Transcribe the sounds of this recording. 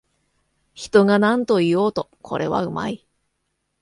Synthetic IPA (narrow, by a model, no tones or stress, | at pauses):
çi̥t̪o̞ŋanãnt̪o̞ijo̞ːt̪o̞kʰo̞̰ɾʔe̞βa̰ɯ̟ma̰i